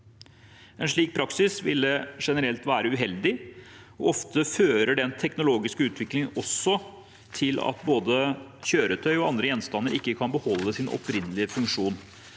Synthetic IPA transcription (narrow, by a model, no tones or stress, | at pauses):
ɛnʂɭiːk̚pʰɾɑksɪsʋɪ̰lːəʂɛnəɾɛlt̪ʋæːɾəʉɦɛld̪ɪ | ɔ̰ɔft̪əføːɾəɖɛnt̪ʰɛknʊloːɡɪskəʉːt̪ʰʋɪklɪŋəɔsːɔ | t̪ʰɪlɑ̰t̪boːd̪əçøːɾət̪ʰœʏɔɑnd̪ɾəjɛnst̪ɑnːəɾʔɪkːəkʰɑnbəhɔlːəsɪnʔɔ̰pʰɾɪnːəlɪəfʉŋkʂuːn